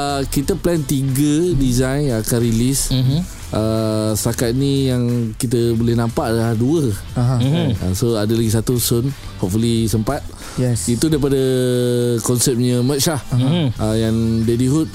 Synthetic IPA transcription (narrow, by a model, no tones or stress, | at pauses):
əkit̪əplɛnt̪iɡədizajnakanɾilis | ʔəst̪akat̪̚nĩjaŋkit̪̬əbolɛhnãmpaʔadalahduə | aɦa̰soadalaɡis̬at̪usʊn | hɔp̚fulisəmpat̪̚ | jɛit̪udaip̬adə | kɔnsɛp̚ɲəmə̃t̪̚t͡ʃlahəjandediɦut̪̚